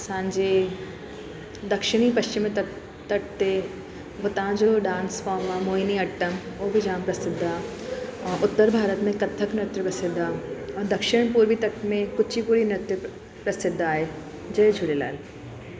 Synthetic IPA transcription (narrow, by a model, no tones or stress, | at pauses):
sãːnd͡ʑe | d̪ɐkʃɪɽ̃ipɐʃt͡ɕɪm | t̪ɐʈ̚t̪e | ɦot̪ɐãd͡ʑoɖãːnsfaːmaːmoːiniɐʈːən | oːbʱid͡ʑãːmpɾɐsɪd̪ʱːa | ʔʊt̪ːəɾbʱaːɾət̪mẽkɐt̪ʰːəknɐt̪ɾpɐsɪd̪ʱaɔ̃ːd̪ɐkʃɪɽ̃puːɾbit̪ɐʈmẽkʊt͡ʃʰipuːɾinɐt̪ɾɪ | pɾɐsɪd̪ʱːaːɦe | d͡ʑɐed͡ʑʱʊɽela̰ːl